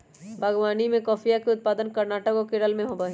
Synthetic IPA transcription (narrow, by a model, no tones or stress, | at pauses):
bʱɐɡwaːnimẽkɔːfʰijakeʊt̪̚paːd̪ənkɐɾnaːʈəkokɪɽəlmẽɦoːbaɦi